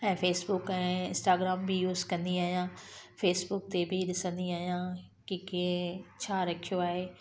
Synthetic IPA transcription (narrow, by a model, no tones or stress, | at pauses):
ɛ̃ːfeːsbʊkɛ̃ːɪ̃nsʈaːɡɾaːmbijuːzkɐ̃nd̪iaːɦijãːfeːsbʊk̚t̪ebʱɪɗɪsə̃nd̪iaːɦijã | kikĩt͡ɕʰaːɾɐkʰijoaːɦeː